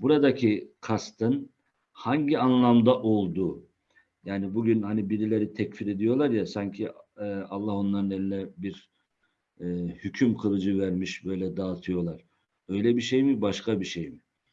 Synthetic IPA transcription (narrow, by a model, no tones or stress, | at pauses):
buɾad̪acʰikʰast̪ʰɯn | haɲɟianlˠamd̪aʔo̞lˠd̪uː | jaːnibuɟynhanibiɾilʲe̞ɾit̪ʰɛcfiɾed̪ijo̞lˠaɾjasaɲcʰialˠːaho̞nlˠaɾɯnelʲinɛbiɾ | hycʰymkʰɯɾˠɯd͡ʒɯvæɾmiʃbø̞jlʲɛd̪aːt̪ʰɯjo̞lˠaɾ̥ | ø̞jlʲɛbiʃejmibaʃkʰabiʃejmi